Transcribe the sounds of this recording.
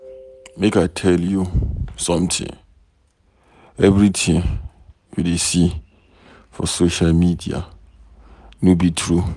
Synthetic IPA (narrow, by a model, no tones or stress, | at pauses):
mekatʰɛljusɔ̃mtʰɪ̰̃ŋ | ɛvɾitʰɪ̃ŋ | widesi | fɔ̰soʃalmidia̰ | nʊ̃bitʰɾu